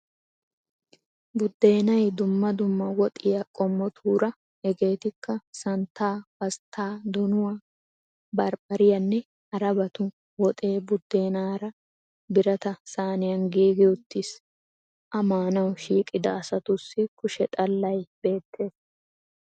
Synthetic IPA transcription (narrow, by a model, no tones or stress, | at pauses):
bʊd̪ːe̞ːnɐjd̪ʊmːɐd̪ʊmːɐwɔt̪ʼɪjɐkʼɔmːɔt̪ʰuːɾɐ | ɛɡe̞ːt̪ɪkːɐsɐnt̪ːaːb̥ɐst̪ʰːaːd̪ʊnʊwa | bɐɾbɐɾɪjɐnːɛ | ɐɾɐbɐt̪ʊ | wɔt̪ʼe̞ːbʊd̪ːe̞ːnaːɾɐ | bɪɾɐt̪ɐsaːnɪjɐnɡiːɡɪʊt̪ːɪs | ʔɐmaːnɐwʃiːkʼːɪd̪ɐːsɐt̪ʊsːɪkʊʃɛt̪ʼɐlːɐjb̥e̞ːt̪ʰːe̞ːs